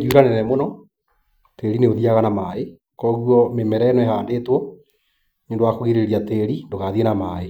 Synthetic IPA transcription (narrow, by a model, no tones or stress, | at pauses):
ɡiuɾanɛnɛmonɔ | teɾineoðiaɣanamae | kɔːɣuɔmemɛɾɛnwɛhaːndeːtwɔ | ɲondowakoɣeɾeɾiateɾindoɣaðienamaːe